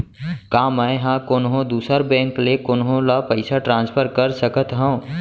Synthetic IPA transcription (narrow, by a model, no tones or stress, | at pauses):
kaːməɪɦãːkonɦõd̪uːsəɾbɛ̃ːŋklekʊnɦõlapəɪsaʈɾãːnspʰəɾkɐɾsəkət̪ɦõː